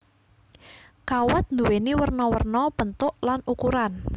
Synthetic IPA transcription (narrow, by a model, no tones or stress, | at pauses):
kawɔt̪̚nd̪uweniwərnɔwərnɔpənt̪ʊʔlanukuɾan